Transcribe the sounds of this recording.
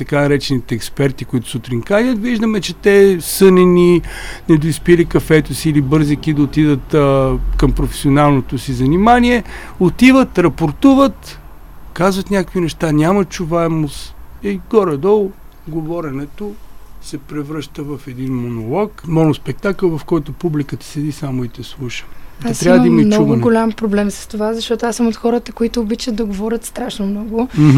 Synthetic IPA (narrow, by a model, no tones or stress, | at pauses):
t̪ɐkanɐɾɛt͡ʃɛnit̪ɛːkspɛɾt̪ikoit̪ʊ̥sot̪ɾiŋkanʲət̪viʒd̪əmɛt͡ʃɛt̪ɛsɤnɛninɛd̪ʊispilikɐfɛt̪ʊsiːlibɤɾzikid̪ɐot̪id̪ət̪kɐmpɾofɛ̥sionalˠnot̪osizɐnimaniɛ | ot̪ivət̪ɾɐpoɾt̪uvət̪ | kazvət̪nʲakovinɛʃt̪anʲamət͡ʃuvaɛmosɛɡɔɾɛd̪ɔlˠ | ɡovɔɾɛnɛt̪osɛpɾɛvɾəʃt̪əvɐfɛd̪inmonolˠɔkmɔnospɛk̚t̪akəlˠvɐfkɔjt̪ʊpublikət̪ə̥sɛd̪isamoit̪ɛslˠuʃə̥daɐst̪ɾavəmimɐimnt͡ʃɔuɡʊɡolʲampɾoblɛmsə̥st̪ovazɐʃt̪ɔt̪ʊasəmot̪xɔɾət̪əkoit̪ʊːbit͡ʃəd̪ɐɡovɔɾʲət̪st̪ɾaʃnomnɔɡʊ